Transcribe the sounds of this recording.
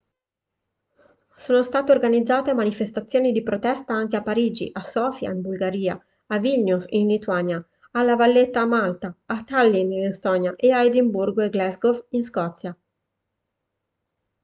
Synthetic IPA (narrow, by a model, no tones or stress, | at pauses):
soːnost̪aːt̪eorɡanid̪zːaːt̪emanifest̪at̪sːjoːnid̪ipɾot̪ɛst̪aaŋk̟eapːaɾiːd͡ʒḭʔasɔːfja̰imbulɡaɾiːa̰ | avilnusinlit̪uanja | alːavalːet̪ːamalt̪aːt̪alːininest̪ɔːnjaʔeaed̪imburɡeɡlɛzɡovinskɔt̪sːja